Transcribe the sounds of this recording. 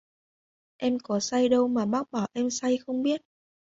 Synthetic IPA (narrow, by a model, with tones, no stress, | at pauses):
ʔɛ˧mkɔ˨˦sa˧jɗə˧wmaː˨˩ɓaː˦˥k̚ɓaː˧˩wʔɛ˧msa˧jxə˧wŋ͡mɓi˦˥ət̚